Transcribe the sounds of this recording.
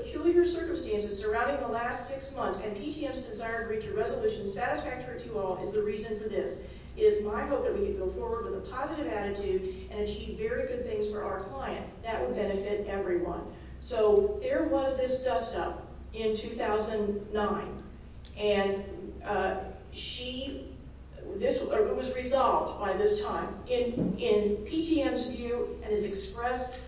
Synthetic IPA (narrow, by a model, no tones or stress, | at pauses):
pʰəkʰj̥ʉlˠjə˞sɜ˞kɨ̃m̩stæ̃nsɨz̥sə˞ãʊ̃ndɪ̃ŋðəlæstsɪksmʌ̃nθsɨ̃npʰitʰiɛmzdɨzaɪə˞vɹit͡ʃəɹɛzəlʉʃɨ̃n̩sæɾɨsfæk̚tə˞itʰɨɔlˠɨzðəɹizɨ̃nfə˞ðɪs | ɨɾɨzmaɪɦoʊt̪̚ðɨt̚wikɨ̃nɡoʊfɔɹwə˞d̚wəðəpʰɑzɨɾɨvæɾɨtʰʉɾʔɨ̃nɨt͡ʃʰivɛɹiɡʊd̪̚θɪ̃ŋz̥fə˞ʔa̰ʊə˞kʰl̥aɪɨ̰̃nðɨʔ̚wəd̚bɛñɨfɪɾɛvɹiwʌ̰̃n | soʊðə˞wʌzðɪsd̥ʌstʌp̚ | ɪ̃ntʰʉθaʊzɨ̃nnːãɪ̃n | ʔɨ̃n | ʃi | ðɪsəɪt̚wʌzɹɨzɑlˠvdbaɪðɪstʰãɪ̃mɪ̃nɪ̃npʰitʰiɛ̃mzvjʉʔɨ̃nɨzɨkspɹɛst